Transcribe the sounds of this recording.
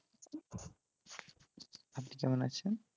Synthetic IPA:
apnikɛmona̰t͡ɕʰen

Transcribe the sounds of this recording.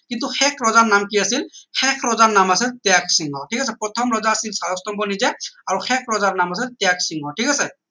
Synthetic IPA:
kintuxʰɛkʰɹɔzaɹnamkiasilxɛkʰɹɔzaɹnamasɛtɛak̚siŋɔtʰikasɛpɹɔt̪ʰɔmɹɔzaːsilsaɹɔstɔmbɔnizɛaɹuxʰɛkɹɔzaɹnamas̬ɛtɛak̚siŋɔtʰikasɛ

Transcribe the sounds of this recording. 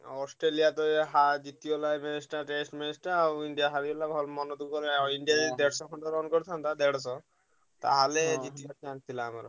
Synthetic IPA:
ɔsʈɾelijat̪ɔeɦad͡ʒit̪iɔlajminisʈaʈesʈminisʈaɾawiɳɖijaɦaɾibɔlabʱɔlmɔnɔd̪ukkɔɾiɳɖijad̪eɽɔsɔkʰɔɳʈɔɾɔnkɔɾt̪ʰant̪ad̪eɽs̬ɔ | t̪a̰ɦaled͡ʒit̪iat̪iãŋk̚t̪ʰilaːma̰ɾɔ

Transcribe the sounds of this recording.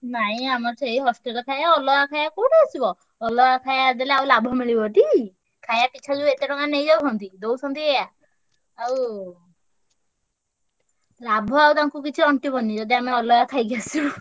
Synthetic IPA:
naɦĩamɔɾsejɦɔsʈelɔkʰajaɔlɔakʰajakoʈiasibɔː | lɔakʰajad̪eleawlabʱɔmiɭibɔʈi | kʰajapit͡ʃʰad͡ʒuet̪eɾɔŋanejd͡ʒawɦɔnt̪id̪owsɔnt̪iejaː | w | labʱɔawt̪aŋkukit͡ʃʰiɔɳʈibʱɔnd̪id͡ʒɔd̪iameɔlɔjakʰajɡijasi

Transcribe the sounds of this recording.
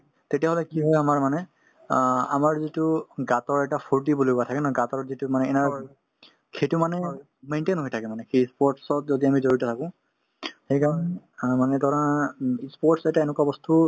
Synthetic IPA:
tetijaɦɔlɛkiɦɔjamaɹmanɛ | a̰maɹzituɡatɔɹɛʈapʰuɹt̬ibulojkuatʰakɛnɔɡatɔɹzitumanɛɛna | kʰetumanɛ | mentenɦojtʰakɛmanɛkʰispɔɹtsɔt̚zodiamizoɹitɔtʰakʊ̃ | hejkaɹɔnɛ | manɛtɔɹaispɔɹʈsɛtaenɛkabɔstu

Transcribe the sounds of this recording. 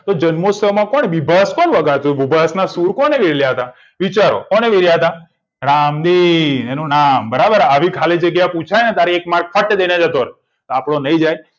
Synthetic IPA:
t̪od͡ʒənmosəmãkɔneʋibʱaskɔnʋəɡaɾt̪ʰuʋibʱasnasuɾkɔneʋeɽljaɦət̪a | ʋit͡ʃaɾo̰kɔneʋeɾjaɦət̪a | ɾamd̪ienũnambəɾabəɾaʋikʰaled͡ʒeɡjaput͡ʃʰajnet̪aɾiekmaɾɡ̚fʰəʈd̪enad͡ʒat̪oɾe | t̪oapɽonəid͡ʒaj

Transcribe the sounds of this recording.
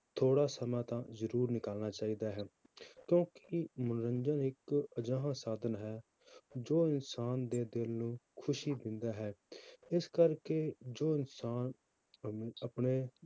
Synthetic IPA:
t̪ʰoːɽaːsəmãːt̪ãːzəɾuːɾnɪkaːlnaːt͡ʃaːiːd̪aːɦɛː | kjõːkɪmənɾə̃ɲd͡ʒənɪkəd͡ʒãːɦãːsaːd̪ənɦɛː | d͡ʒoːɪnsaːnd̪eːd̪ɪlnũːkʰʊʃiːd̪ɪ̃nd̪aːɦɛːɪskəɾkeːd͡ʒoːɪnsaːn | əpɳeː

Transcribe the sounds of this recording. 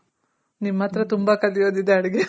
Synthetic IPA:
nimːɐt̪ɾɐt̪umbɐkɐd̪ijoːd̪id̪eɐɽiɡe

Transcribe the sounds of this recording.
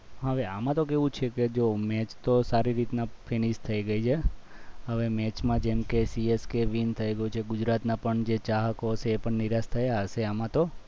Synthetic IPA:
ɦəʋeamãt̪okeʋũt͡ʃʰeked͡ʒomɛt͡ʃt̪osaɾiɾit̪nafʰiniʃt̪ʰəiɡəid͡ʒʰeɦəʋemɛt͡ʃmãd͡ʒɛmkesieskeʋint̪ʰəiɡəjut͡ʃʰeɡʊd͡ʒɾat̪nãpəɳd͡ʒet͡ʃaɦəkot͡ʃʰeːpəɳniɾast̪ʰəjaɦəseamãt̪o

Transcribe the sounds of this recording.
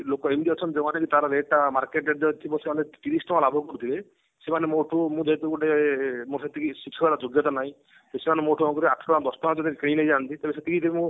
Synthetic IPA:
lokɔemd̪iɔt͡ʃʰɔnd͡ʒemanekit̪aɾɔɾeʈːamaɾkeʈeɖd̪et̪ʰibɔsemanet̪iɾisʈɔmãlabʱɔkɔɾut̪ʰibe | semanemoʈʰumũd͡ʒɔt̪ukuʈemoset̪ʰikʰisikʰːɔbaɾad͡ʒoɡjɔt̪anaɦĩ | esemanemoʈʰumɔ̃ŋkɔɾiaʈʰɔʈãd̪ɔsʈɔnad͡ʒɔd̪ikĩĩnejd͡ʒant̪it̪ebeset̪ʰikʰid̪ebimũ

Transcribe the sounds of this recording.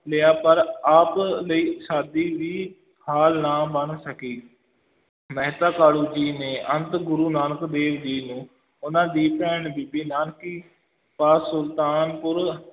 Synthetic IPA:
lɪjaːpɐɾaːplɐiːʃaːd̪iʋiː | haːlnabɐnsɐkiː | mɐɦɪt̪akaːɽuːd͡ʑinẽʔɐ̃nt̪ɡʊɾuːnaːnkd̪eːʋd̪iːnũː | ʊnãd̪iːpɛːɽ̃biːbinaːnkiː | paːsʊlt̪aːnpʊɾ

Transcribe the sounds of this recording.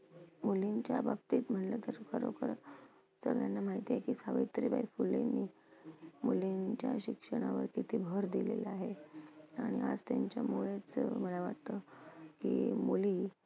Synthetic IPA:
muliɲt͡ɕjababt̪iːt̪m̤əɳlət̪əɾkʰəɾo̰kəɾ | səɡɭjanːamaɦit̪ijekisaʋə̰jt̪ɾiba̰jfulːenːi | muliɲt͡ɕja̰ɕikʂəɽ̃aʋəɾkit̪iːbʱəɾd̪ilḛlaɦeaɽ̃iad͡zt̪jaɲt͡ɕjamuɭet͡sməlaʋaʈt̪əkḭmuliː

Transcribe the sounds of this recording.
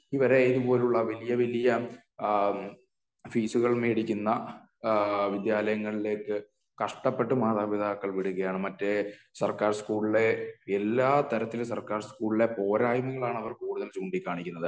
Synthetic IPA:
iʋɐɾe̞iðupo̞ːleuɭːɐʋɐlijɐʋɐlijɐ | fiːsuɣɐɭmeːɽikʲːunːɐ | ʋid̪jaːlɐjɐŋːɐɭile̞ːkːɨ | kɐʂʈɐpːe̞ʈːɨmaːt̪aːbid̪ʱaːkːɐɭʋiɽuɣɐjaːɳɨmɐtːe | sɐrkaːrskuːɭile̞elːaːt̪ɐɾɐt̪ːilsɐrkaːrskuːɭile̞po̞ːɾaːjmɐŋːɐɭaːɳɐʋɐrkuːɽuðɐlt͡ɕuːɳɖikʲːaːɳikʲːunːɐðɨ

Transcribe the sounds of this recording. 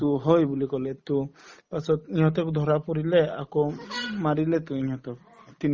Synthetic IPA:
t̪uɦɔjbulikɔlet̪upasɔt̪iɲɦɔt̪ɔkud̪ʱɔɾapɔɾilea̰kɔmaɾilet̪uiɲɦɔt̪ɔk | t̪in

